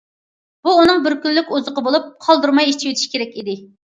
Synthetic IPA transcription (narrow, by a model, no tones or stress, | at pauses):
b̥uːnɨŋbɪɾkʲynlykʲuzəqəbolˠup̚qʰɑlˠd̪uɾmɑjit͡ʃ̪ʰiwet̪ʰɪ̥ʃi̥kʲeɾɛkʲid̪ɪ